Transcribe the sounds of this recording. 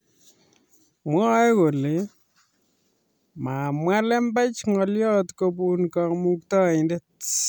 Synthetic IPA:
mwɔ˦ɛ˦ko˨le˨ | ma˨mwa˦lɛ˦mba˦t͡ʃŋɔ˨ljɔ˦tko˧pu˨nkɔ˨kmu˦ktɔ˦ɪndet̚

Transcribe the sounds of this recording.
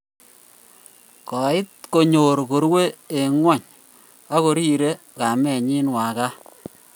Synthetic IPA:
kɔ˨ɪ˦t̚ko˨ɲo˨ɾko˨ɾwe˦e˨ŋwɔ˦˨ɲ | a˦ko˨ɾi˦ɾe˦ | ka˨mɛ˨ɲi˦nwa˨ka˦

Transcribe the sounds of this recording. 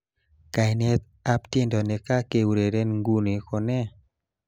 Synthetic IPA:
ka˨jne˦t̪ | a˦pte˦ndɔ˨nɛ˨ka˦ke˨wɾe˨ɾe˦nŋɡu˦ne˨kɔ˨nɛ˦

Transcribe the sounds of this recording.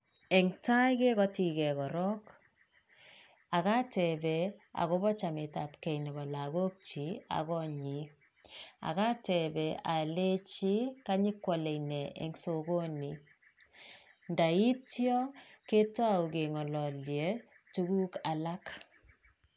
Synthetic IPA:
ɛ˨ŋta˦jke˦kɔ˦ti˨kɛ˨kɔ˨ɾɔ˦k | a˨ka˦tɛ˨bɛ | a̰˨ɣo˦bɔ˦t͡ʃa˨me˨ta˨pkɛ˨jnɛ˨bɔ˨la˨ɡo˦k̚t͡ʃi˨˦a̰˨kɔ˦ɲi˦ | a̰˨ka˦tɛ˨bɛ˨a˨le˦t͡ʃi˦ka˦ɲi˦kːwɔ˨le˨nɛ˨ʔḛ˨ŋso˨ɡo˦ni˨ | nda˨i˦tjɔ˦ke˦tɔ˦a˨u˨ke˨ŋɔ˨lɔ˨ljɛ˨˦ | tu˦ɡu˦ka˨la˦k

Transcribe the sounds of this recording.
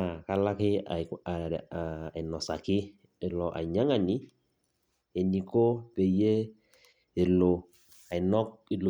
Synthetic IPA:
ka˦la˦kɪ˦a˨a˨i˨nɔ˨sa˨kɪ˦ | e˨lɔ˨ʔa̰˨ɲa˦ŋa˨ni˦ | e˨ni˨ko˦pe˨je˦ | e˨lo˨ | a˨i˨nɔ˦k̚i˨lo˨

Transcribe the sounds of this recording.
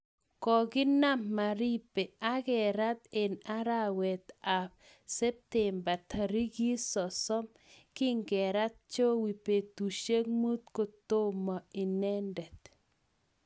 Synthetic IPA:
kɔ˨ɡɪ˦na˦mːa˨ɾi˦pe˨a˦ɡɛ˨ɾa˦t̪e˨na˦ɾa˦wɛ˨t̪a˨p | sɛ˦p̚tɛ˨mba˨ta˨ɾi˦ɡi˦sɔ˨sɔ˦m | kɪ˦ŋɡɛ˨ɾa˦t̪̚t͡ʃo˦wi˨pe˨t̪u˨ʃe˦kmu˦t̪ko˨t̪o˦mɔ˨i˨nɛ˦ndɛ˨t̪

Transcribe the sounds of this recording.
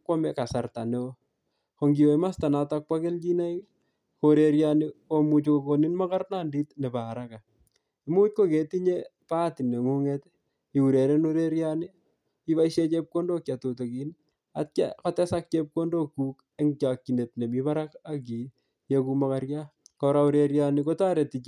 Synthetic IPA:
kwo˦mɛ˨ka˨sa˨rta˨ne˦ | ko˨ŋɡi˨o˨i˦ma˦sta˨na˨tak̚pwa˦ke˦lt͡ʃi˦na˦i | koɾe˨ɾja˦niko˦mu˨t͡ʃoko˨ko˨ni˦nma˦ka˦rna˦ndi˦tne˨baː˨ɾaka˨ | i˦mu˦t͡ʃ̚ko˦ke˨ti˦ɲepa˦ti˨ne˨ŋu˦ŋet | i˨u˨ɾe˨ɾe˦no˦ɾe˦ɾjani˦ | i˦βa˦iʃe˦t͡ʃe˦p̚ko˦ndo˦kja˨to˨to˨ki˨n | a̰˦t̚ka̰˦ka˦tɛ˦sak̚t͡ʃe˦p̚ko˦ndo˦kːuː˦k | e˦ŋt͡ʃa˨kːi˨ne˨t̚ne˨mi˦ba˦ɾaka˦ki˨ | jeku˦makaɾjakɔɾauɾeɾjaniko˦ta˦ɾe˨ti˨t͡ʃ

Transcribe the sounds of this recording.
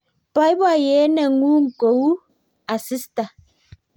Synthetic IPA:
pa˨˦jba˦˨jɛ˨˦nɛ˨ŋu˦ŋ̩˨ko˨wu˦ | a˨si˦sta˨

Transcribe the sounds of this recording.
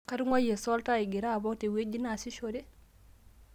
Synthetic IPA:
kaɾŋa˦je˨sɔ˦ltai˨ɡi˨ɾa˦˨bɔ˦ktewe˦ɟina˨siʃoɾe˦

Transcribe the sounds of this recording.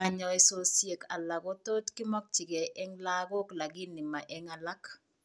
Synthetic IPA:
a˨ɲɔ˨ɛ˨so˦sje˨ka˨la˨ɡo˦t̪o˦tkɪ˦mɔ˦k̚t͡ʃɪ˨ɡe˨ʔɛ˦ŋla˦ɡo˦kla˨ɡɪ˦nːɪ˨ma˨ʔɛ˦ŋa˨la˦k

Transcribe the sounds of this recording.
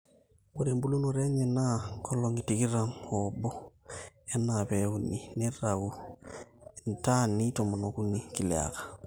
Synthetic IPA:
mo˦ɾe˨mbu˦lu˦nuɾɛ˦ɲɛ˨na˦kɔ˦lɔ˨ŋi˨ti˨ki˦ɾa˨mɔbɔ˦ | ɛ˦napɛu˦ni˨ne˦rau˨ | nta˦ni˦tɔ˨mɔ˨nɔ˨ku˦ni˨ki˨lɛ̰˨a̰˨kḁ˨

